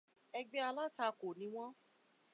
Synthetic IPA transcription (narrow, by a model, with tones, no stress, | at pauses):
ɛ˧ɡ͡be˦a˧la˦ta˧ko˨nĩ˨˦w̃ɔ̃˦